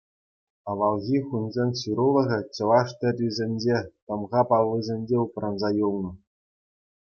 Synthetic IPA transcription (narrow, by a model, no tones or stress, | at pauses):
ɑʋɑlˠɣʲiχunʲzʲenʲɕuɾulˠɤ̆ʁʲɘ̆t͡ɕɤ̆lɑʂt̪ʲɘ̆rʲizʲenʲd͡ʑet̪ɤ̆mʁɑpɑlˠːɯzʲenʲd͡ʑeuprɑnzɑjulˠnɤ̆